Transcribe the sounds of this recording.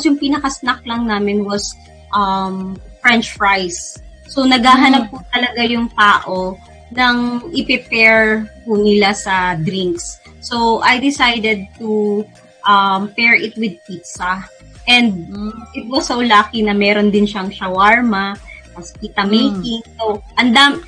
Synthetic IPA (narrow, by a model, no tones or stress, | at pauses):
posjʊŋpinɐkɐsnɐk̚lɐŋnaːmɪnwɐs | ʔɐmfɹɛnt͡ʃfɹajsː | onɐɡaːɦɐnɐp̚ːut̪ɐlɐɡajʊŋt̪aːʔo̞ | nɐŋʔɪpɛpɛɹpunɪlasɐd̪ɾiŋksː | owʔajd̪ɪsajd̪ɛd̪̚t̪u | ʔɐmpɛɹʔɪt̪̚wɪd̪̚pit̪sɐ | ʔɛnd̪̚ʔɪt̪̚wɐsːowlaːkinɐmɛːɾond̪ɪnʃɐŋʃɐwaɹmɐkɐskiːt̪ɐmejk̪ɪŋsoʔɐnd̪am